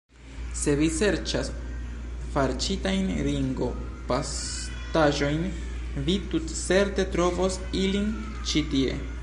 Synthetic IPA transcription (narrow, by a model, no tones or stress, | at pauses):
se̞vise̞ɾt͡ʃas | faɾt͡ʃitajnɾiŋɡo̞ | pas | taʒo̞jn | vitutt͡se̞ɾte̞tɾo̞vo̞s | ilin | t͡ʃitie̞̰